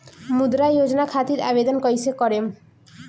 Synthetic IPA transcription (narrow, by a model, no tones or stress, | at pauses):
mud̪ɾajod͡ʒɔnakʰat̪iɾa̰bed̪ɔnkɔjsekɔɾem